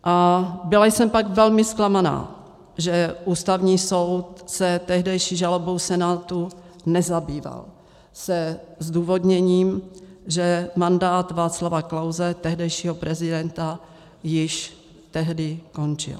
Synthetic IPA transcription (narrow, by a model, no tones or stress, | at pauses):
ʔabɪlajsɛmpaɡvɛlmɪsklamana̰ː | ʒɛʔuːst̪avɲiːso̞wt̪sɛt̪ɛɦdɛjʃiːʒalo̞bo̞wsɛnaːt̪u | nɛzabiːva̰l | sɛzduːvo̞d̪ɲɛɲiːmʒɛmandaːt̪vaːt͡slavaklawzɛt̪ɛɦdɛjʃiːɦopɾɛzɪdɛnt̪a | jɪʃ | t̪ɛɦdɪko̞nt͡ʃɪ̰l